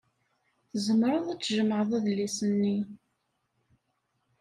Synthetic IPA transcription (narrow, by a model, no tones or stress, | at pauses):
θzəmɾˤəðˤæt͡sːʒəməʕəðˤæðlːisənːi